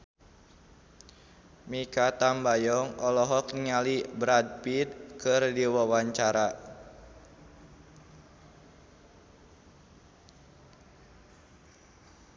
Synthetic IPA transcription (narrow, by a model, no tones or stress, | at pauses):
mikat̪ambajɔŋɔlɔɦɔk̚niŋalibɾad̚pid̪̚kɨrdiwawaɲt͡ʃaɾa